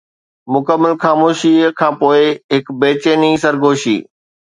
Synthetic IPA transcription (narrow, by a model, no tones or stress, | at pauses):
mʊkəmːəlxaːmoːʃikʰãːpoːɪɦɪkbeːt͡ɕeːnisəɾɡʱoːʃḭː